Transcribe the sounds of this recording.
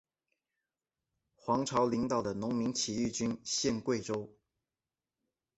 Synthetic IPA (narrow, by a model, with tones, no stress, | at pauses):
xwɑ˧˥ŋʈ͡ʂʰɑ˧˥ʊli˧˥ŋt̪ɑ˨˩ʊd̪ə˩nʊ˧˥ŋmi˧˥ŋt͡ɕʰi˨˩y˥˩t͡ɕy˥nɕjɛ˥˧nkwe˥˩ɪʈ͡ʂo˥ʊ